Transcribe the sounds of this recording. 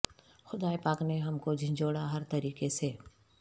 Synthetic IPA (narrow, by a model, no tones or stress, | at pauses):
xʊd̪aːepaːkneɦɐmkod͡ʒʱɪ̃d͡ʒoːɽaɦɐɾt̪ɐɾiːkeseː